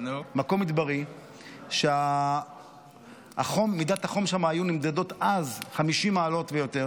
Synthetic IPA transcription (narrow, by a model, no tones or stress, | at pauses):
nmako̞mid̪baʁi | ʃea | a̰χomːidat̪haχo̞mʃamaːjunimd̪ado̞t̪azχamiʃimaːlo̞tvejo̞te̞ʁ